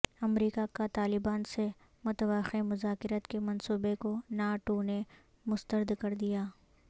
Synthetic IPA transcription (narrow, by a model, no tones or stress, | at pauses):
ɐmɾiːkakat̪aːlɪbaːnse | mʊt̪əʋaxemʊzaːkɪɾət̪kemɐnsuːbekonaːʈoːne | mʊst̪əɾd̪kɐɾd̪ijaː